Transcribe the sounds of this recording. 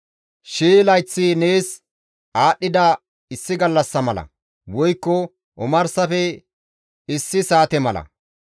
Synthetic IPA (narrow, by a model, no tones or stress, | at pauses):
ʃiːlɐjt͡sːineːs | ʔaːɗːɪd̪ɐ | ɪsːɪɡɐlːɐsːɐmɐlɐ̰ | wɔjkːɔ | ʔʊmɐɾsɐfɛ | ɪsːɪsaːt̪ɛmɐlɐ̰